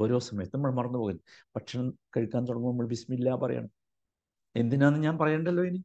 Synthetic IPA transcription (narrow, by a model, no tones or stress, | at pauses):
oːɾo̞ːsɐmɐjɐt̪ːnɐmɐɭemɐrɐnːupoːɣunːpɐʈʂɐnɐmkɐɻikʲːaːnt̪uɽɐŋːumnɐmːɐɭbismɐilːaːpɐrɐ̰ja̰ːɳɐ | e̞nd̪inaːnːɨɲaːnpɐrɐjeːɳɖɐlːo̞ːeni